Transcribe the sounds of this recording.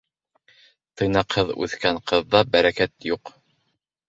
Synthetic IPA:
t̪ɤ̆jnɑqhɤðʉ̰θkæɴqɤ̆ðːɑbæɾækæt̪juq

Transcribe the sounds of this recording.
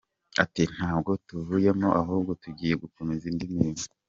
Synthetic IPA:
atin̥haːbɡo̞tuvujemo̞ʔaɦuːbɡo̞tuɟiːje̞ɡuko̞me̞zindimimo

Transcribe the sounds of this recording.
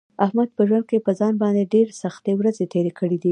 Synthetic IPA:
ahmad̪̚pəʒwand̪̚kepəzɑnbɑnd̪eɖeɾsaxt̪ewɾazet̪ʰeɾekəɽid̪i

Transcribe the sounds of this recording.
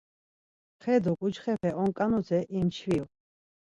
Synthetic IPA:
χɛd̪ɔkʼud͡ʒχɛpʰɛʔɔŋkʼanuzɛʔimt͡ʃʰvil

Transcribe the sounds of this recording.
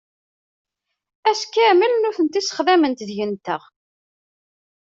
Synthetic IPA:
æskæməlnʊθənt̪isə̥χðæmənt̪ðʝənt̪əʁ

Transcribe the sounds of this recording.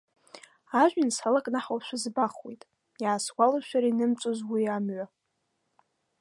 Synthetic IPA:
aʒʷᶣɪnsalakʼnaħawʃʷᶣʊzbaχwejtʼ | jaːsɡʷalaʃʷᶣaɾainɨmt͡sʷʼozwiamɥa

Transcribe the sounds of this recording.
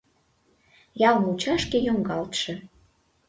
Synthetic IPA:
jɑlnut͡ɕɑʃkejoŋɡɑlt̪ʃĕ

